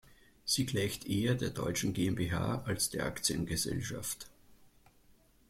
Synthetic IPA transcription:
z̥iːɡlaɪçtʰʔeːɐdeːɐdɔʏt͡ʃn̩ɡeːɛmbeːɦa̰ːalsd̥eːɐʔa̰kt͡sjənɡəzɛ̰lʃa̰ft

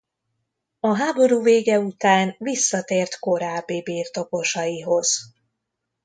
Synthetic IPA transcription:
ɒɦaːbo̞ɾuːveːɡɛut̪aːnvisːɒt̪eːrt̪ko̞ɾaːbːibiːrt̪o̞ko̞ʃɒjiɦo̞z̥

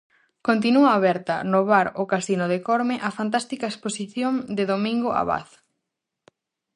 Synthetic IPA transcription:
kont̪̬inuaːβɛɾt̪ɐnoβaɾokasinoðɪkoɾmɪʔɐfant̪̬ast̪ikaesposiθjoŋd̪ɪðomĩŋɡoa̰βa̰θ

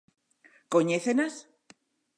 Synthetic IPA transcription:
koɲeθenas

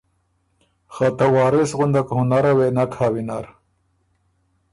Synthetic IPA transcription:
xat̪awɑːɾisɣund̪akhunaɾawenakʰhaːwinaɾ

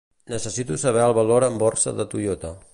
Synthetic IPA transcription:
nəsəsit̪usəβ̞ɛəlˠβəloɾəmbɔrsə̰ðət̪ujot̪ə

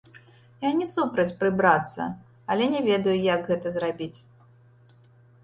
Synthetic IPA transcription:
janʲɛsupɾɐt͡sʲpɾɨbɾat̪sːɐ̰ | ɐlʲɛnʲɛvʲɛd̪ɐjujaɡɣɛt̪ɐzrabʲit͡sʲ

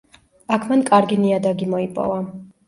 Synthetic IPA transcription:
akʰmankʼaɾɡiniad̪aɡimɔipʼɔ̰va

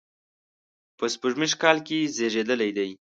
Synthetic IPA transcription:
pəspəʒmiʃkɑlkezeʐed̪əlajd̪aj

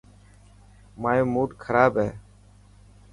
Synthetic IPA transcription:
maːjoːmuːʈkʰəɾaːbɦɛː

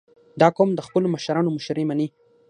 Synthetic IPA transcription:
d̪ɑkomd̪əxpəloməʃaɾɑnomʊʃɾemani

